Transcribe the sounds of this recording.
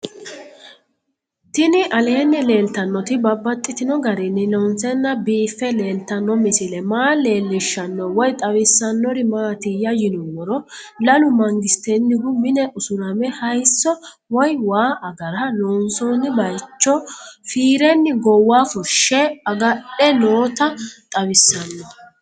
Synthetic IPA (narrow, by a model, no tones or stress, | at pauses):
t̪ɪnɪʔɐlɛɛnːɛle̞ːlt̪ːɐnːɔt̪ɪbɐbːɐt̪ʼːɪt̪ɪnɔɡɐɾɪnːɪlɔnsɛnːɐbiːfːɛle̞ːlt̪ːɐnːɔmɪsɪlɛmaːle̞ːlːɪʃːɐnːɔwɔjt̪ʼɐwɪsːɐnːɔɾɪmaːt̪ɪjɐjɪnuwɔɾɔlɐlʊmɐŋɡɪst̪enːɪɡʊmɪnɛʔʊsʊɾɐmɛhɐjsːɔ | wɔjwaːʔɐɡɐɾɐloːnsɔːnːɪbɐjt͡ʃːɔfiːɾɛnːɪɡɔwːaːfʊʃːɛɐɡɐɗɛnoːt̪ɐt̪ʼɐwɪsːɐnːɔ